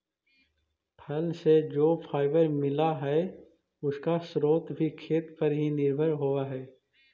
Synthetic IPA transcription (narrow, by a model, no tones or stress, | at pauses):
pʰɐlsed͡ʒoːpʰaːɪʋəɾmɪlaɦɛ | ʊskasɾoːt̪bʱikʰeːt̪pɐɾɦinɪɾbʱəɾɦoaɦɛː